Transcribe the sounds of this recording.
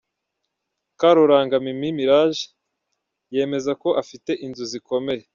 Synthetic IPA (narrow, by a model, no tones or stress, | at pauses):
kaɾoɾaːŋɡamimimiɾaːʒi̥ | je̞ːme̞zako̞ʔafite̞ʔinzuziko̞me̞je